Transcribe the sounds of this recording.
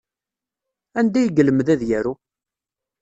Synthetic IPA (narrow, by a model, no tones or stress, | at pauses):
ænd̪æjəɡələmðæðjæɾu